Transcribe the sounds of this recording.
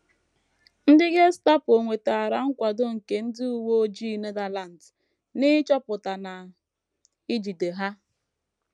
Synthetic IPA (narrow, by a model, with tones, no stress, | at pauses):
n̩˦dɪ˦ɡe˦sta˦po˨ŋʷe˨te˨a˨ɾa˨ŋ̩˦kʷa˨dʊ˦ŋ̩˨ke˨n̩˦dɪ˦u˨wo˦d͡ʒi˦˨ne˦da˨la˨n̩˨t | nɪ˦t͡ʃɔ˦pʊ˨ta˨na˨ | i˦d͡ʒi˨de˨ɦa˦